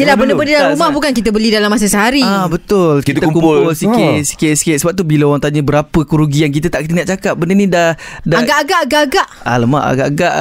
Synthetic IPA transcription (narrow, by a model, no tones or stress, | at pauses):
silabəndəbəndədalaɾɾumahbukankit̪əbəlidalamːasəsəɦaɾiabət̪ʊlkit̪t̪əumkupʊlsikɪt̪̚si̥kɪt̪si̥kɪsəbap̚t̪ubiləowaŋt̪aɲəbəɾapəkuɾuɡijaŋk̬it̪ət̪aʔkət̪inaʔt͡ʃakap̚bəndənĩdahdaaɡaʔaɡaʔaɡaʔaɡaʔa̰ləma̰ʔa̰ɡa̰ʔaɡaʔ